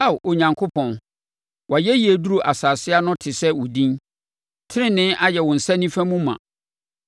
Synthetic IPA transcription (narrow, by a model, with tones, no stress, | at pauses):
a˦˨wʔo˨ɲã˨ŋkʰo˦pʰɔ̃˨n | wa˨jɛ˦ji˨e˨du˦ɾu˨ʔa˨saː˨sɪ˦a˦nʊ̃˦tʰɪ˨sɛ˦wʊ˨dĩ˦n | tʰɪ˦ɾɪ̃˦nɪ̃˦ʔa˦jɛ˨wʊ̃˨n̩˨sã˦nĩ˦fæ̃˦mũ˦mã̰˨